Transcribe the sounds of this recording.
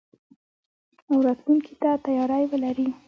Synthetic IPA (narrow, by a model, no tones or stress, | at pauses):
awɾɑt̪lunkʰit̪at̪ajɑɾajwəlaɾi